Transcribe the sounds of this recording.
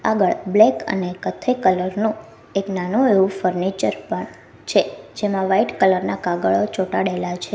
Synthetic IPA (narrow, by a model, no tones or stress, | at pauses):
aɡəɭblekə̰nekət̪ʰːəikələɾnũ | eknanũeʋũfəɾnet͡ʃəɾpəɳ | t͡ʃʰed͡ʒemãʋaiʈkələɾnakaɡəɭot͡ʃoʈaɽelat͡ʃʰe